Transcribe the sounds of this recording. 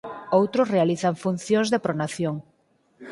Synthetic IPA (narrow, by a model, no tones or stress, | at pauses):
owt̪ɾʊsrealiθaŋfun̟θjõŋzðepɾonaθjoŋ